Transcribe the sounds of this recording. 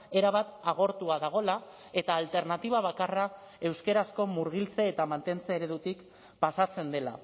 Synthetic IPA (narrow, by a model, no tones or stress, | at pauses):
e̞ɾaβ̞at̪aɣ̞o̞ɾt̪uaðaɣ̞o̞la | e̞t̪aːlt̪e̞ɾnat̪iβ̞aβ̞akara | e̞wske̞ɾasko̞muɾɣ̞ilt͡se̞ːt̪amant̪e̞nt͡seːɾe̞ðut̪ik | pasat͡se̞nd̪e̞la̰